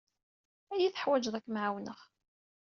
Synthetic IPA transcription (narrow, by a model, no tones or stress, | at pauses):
æjiθə̥ħwæd͡ʒðˤækːmʕawnəχ